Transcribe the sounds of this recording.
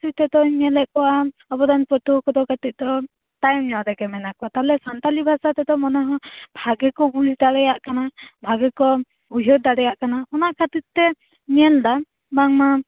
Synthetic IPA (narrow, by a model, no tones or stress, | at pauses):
t̪it̪ɛd̪ɔɲɛlɛʔkɔwaɔbɔd̪anpɾɔt̪ukɔd̪ɔkat̪it̪̚d̪ɔ | t̪ajmɲɔɾɛɡɛmɛnakɔwat̪alɛsant̪alibʱasat̪ɛd̪ɔmɔnaɦɔ̃bʱaɡɛkɔbulid̪aɽɛjaʔkanabʱaɡɛkɔ | uɦɔɾ̚d̪aɽɛjaʔkanaɔnakʰat̪it̪̚t̪ɛ | ɲɛld̪a | baŋma